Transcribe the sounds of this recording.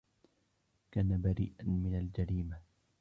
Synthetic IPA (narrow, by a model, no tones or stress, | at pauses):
kaːnabaɾḭːʔanmɪnald͡ʒaɾiːma